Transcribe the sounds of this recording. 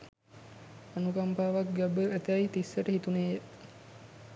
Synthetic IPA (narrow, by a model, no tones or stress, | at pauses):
anukampaːʋak̚ɡæbəæt̪æit̪isːəʈəɦit̪uneːjə